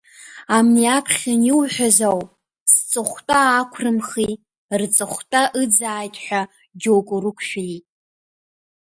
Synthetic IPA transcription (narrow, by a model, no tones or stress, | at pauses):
amniapʰχʲaniwħʷᶣazawpʼ | st͡sʼɨχʷtʼaːkʷʰrɨmχi | rt͡sʼɨχʷtʼaʔɨd͡zaːjtʼħʷᶣa | d͡ʒowkʼurɨkʷʰʃᶣitʼ